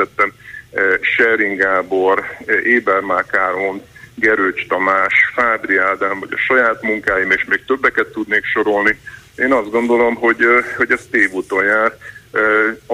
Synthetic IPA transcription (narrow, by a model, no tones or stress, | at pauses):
ɛt̪ːɛm | ʃɛriŋɡaːbo̞reːbɛrmaːkaːɾonɡɛɾøt͡ʃt̪ɒmaːʃfaːbriaːd̪aːɱvɒ̰ɟɒ̰ʃɒjaːt̪muŋkaːjimeːʃmeːk̚t̪øbːɛkɛt̪ːud̪neːkʃo̞ɾo̞lnieːnɒzd̪̚ɡo̞nd̪o̞lo̞mɦo̞ɟho̞ɟɛst̪eːvut̪onjaːr